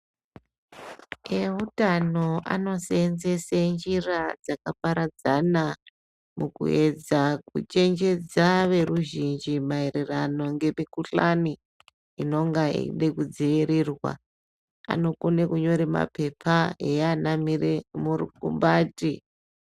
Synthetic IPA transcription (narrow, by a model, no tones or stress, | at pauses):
eɦutano̞a̰no̞senzesand͡ʒirad͡zakapaɾad͡zana | mukṵe̞d͡zakṵt͡ʃe̞nd͡ʒe̞d͡zaʋe̞ruʒind͡ʒimaerirano̞ŋɡe̞mikuɬani | ino̞ŋɡaḭɗekud͡ziiɾiːrwa̰ | a̰no̞konekuɲo̞ɾima̰pe̞pʰaeanamiemurḭkṵmbaːti